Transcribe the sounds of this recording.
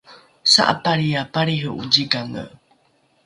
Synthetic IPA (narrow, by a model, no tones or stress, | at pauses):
sa̰ʔa̰paɾiapaɾiɦəʔud͡ʒiɡaŋə̰